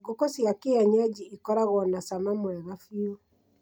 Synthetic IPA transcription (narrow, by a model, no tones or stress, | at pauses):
ɡokosiakeaɲad͡ʒiikɔɾaɣɔnasamamwɛɣafio